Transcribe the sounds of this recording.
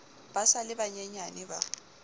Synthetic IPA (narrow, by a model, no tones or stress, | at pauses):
b̥asalɪbaɲɛɲanɪba̰